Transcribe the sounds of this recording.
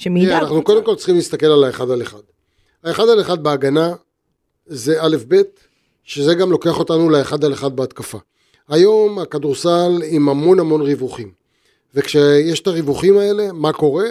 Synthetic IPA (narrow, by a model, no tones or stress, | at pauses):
meanaχnuko̞d̪e̞mko̞ltt͡sχimlist̪ake̞lalaeχad̪aleχad̪ | aeχad̪aleχad̪̚beaɡana | ze̞ale̞fbe̞t̪ | ʃezeɡamlo̞ke̞aχo̞t̪anuleeχad̪aleχad̪̚beat̪kafa | ajo̞makad̪uʁsalimamo̞nhamo̞nʁivuχim | vekʃejeʃe̥t̪aʁivuχimae̞le̞mako̞ʁe̞